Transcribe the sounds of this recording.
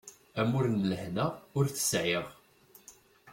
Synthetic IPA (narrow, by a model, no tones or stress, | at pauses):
æmʊɾnləħnæʊɾθə̥sʕɪʁ